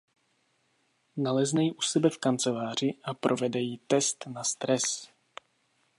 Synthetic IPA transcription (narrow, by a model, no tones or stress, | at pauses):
nalɛznɛjiʔusɛbɛfkant͡sɛlaːr̝ɪʔapɾʔovɛdɛjit̪ɛst̪nast̪ɾɛs